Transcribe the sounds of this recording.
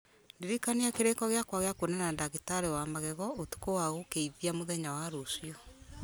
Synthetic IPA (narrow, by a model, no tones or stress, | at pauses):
ndeɾikaneakeɾekɔɣeakwaɣeakwenanandaɣitaɾewamaɣɛɣɔotu̥kowaɣokeiðiamoðɛɲawaɾosiɔ